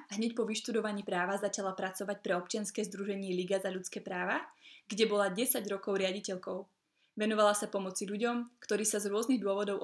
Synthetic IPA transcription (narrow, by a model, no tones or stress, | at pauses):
ɦɲɛcpɔʋiʃt̪ud̪ɔʋaɲiːpɾaːʋazat͡ʃalapɾat͡sɔʋac̚pɾɛɔp̚t͡ʃɪanskɛːzd̪ɾuʒɛɲɪɛliɡazaʎut͡skɛːpɾaːʋaɡɟɛbɔlaɟɛsaɟɾɔkɔʊɾɪaɟicɛʎkɔʊ | ʋɛnɔʋalasapɔmɔt͡siʎuɟɔmkt̪ɔɾiːsazɾʊɔzniɣd̪ʊɔʋɔd̪ɔʊʔ